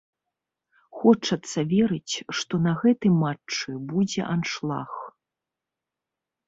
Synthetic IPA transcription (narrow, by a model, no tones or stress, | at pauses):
xɔt͡ʂɐt̪sːɐvʲɛɾɨt͡sʲʂt̪ɔnɐɣɛt̪ɨmat͡ʂt͡ʂɨbud͡zʲɛ̰ʔanʂlˠa̰x